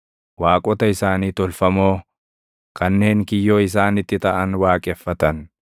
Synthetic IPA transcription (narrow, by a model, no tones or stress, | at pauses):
waːkʼɔt̪ɐɪsaːniːt̪ɔlfɐmo̞ː | kɐnːe̞ːŋkɪjːo̞ːɪs̬aːnɪt̪ːɪt̪ɐʔɐnwaːkʼɛfːɐt̪ɐn